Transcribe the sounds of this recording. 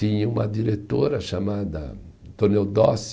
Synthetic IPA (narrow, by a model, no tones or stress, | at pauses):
ĩɲũmɐd̪iɾet̪oɾɐʃamad̪ɐ̰t̪onewd̪ɔs